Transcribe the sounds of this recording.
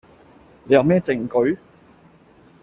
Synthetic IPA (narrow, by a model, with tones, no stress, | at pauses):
ne˨˧jɐ˨˧wmɛː˥t͡sɪ˨˩ŋkɵ˨˥ɥ